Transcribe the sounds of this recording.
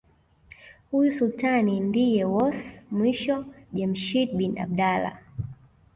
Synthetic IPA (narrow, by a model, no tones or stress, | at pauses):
hujusultanindijɛwɔsmwiʃɔʄɛm̩ʃit̚bina̰ɓ̚ɗala̰